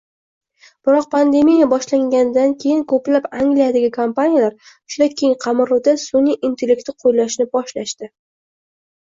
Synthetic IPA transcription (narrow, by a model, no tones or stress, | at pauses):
b̥ɪɾɒq̚pʰand̪e̞mijabɒʃlaŋɡʲanɪd̪ankʲʰe̞jɪŋkʰɵplapaŋɡlijad̪ɪɡʲɪkʰampanijalaɾ | ʊ̥ʃʊlakʲʰejɪŋqʰɑmɪɾʊd̪asunaʔint̪ʰe̞lʲekt̪ɪqʰojlaʃnɪbɒʃlaʃt̪ɪ